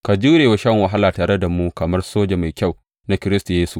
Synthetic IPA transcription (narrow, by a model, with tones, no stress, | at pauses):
ka˨d͡ʒuː˦ɾeː˨wa˦ʃɐ˦ŋwɐ˨ɦa˦laː˨taː˨ɾe˦da˨mu˦kɐ˨mɐ˦rsoː˦d͡ʒe˨ma˨jkʲa˦˨w | na˦kʲɪ˦ɾɪ˦sta˨jeː˦su˦ʔ